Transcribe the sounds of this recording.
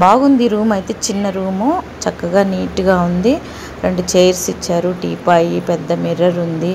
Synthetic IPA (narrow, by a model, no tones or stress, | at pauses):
baːɡund̪iɾuːmɐjt̪e̞ːt͡ʃinːɐɾuːmut͡ʃɐkːɐɡaːniːʈuɡaːund̪i | ɾeɳɖut͡ʃejɐɾsit͡ʃːaːɾuʈiːpaːjipɛd̪ːɐmiɾɐɾund̪i